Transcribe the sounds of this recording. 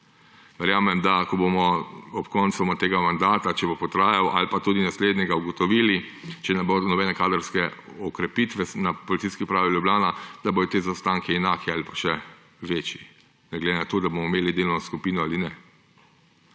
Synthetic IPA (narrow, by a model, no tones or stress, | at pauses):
ʋɛɾjaːmɛmd̪akɔbomɔɔpkɔnt̪sɔmat̪eːɡamand̪aːt̪at͡ʃɛbopɔt̪ɾaːjawʔa̰lpat̪ud̪inasleːd̪nɲɛɡauɡɔt̪ɔʋilit͡ʃɛnɛbodnɔbɛnɛkaːd̪əɾskɛ | ɔkɾɛpit̪ʋɛnapɔlit̪siskipɾaːʋiljublʲaːnad̪̥abod̪ɔt̪eːzast̪aːŋkʰɛɛnaːkʰɛaːlipḁʃɛ | ʋeːt͡ʃji | nɛɡlɛd̪enat̪oːd̪abomɔimeːlid̪eːlnɔskupiːnɔaːlinɛ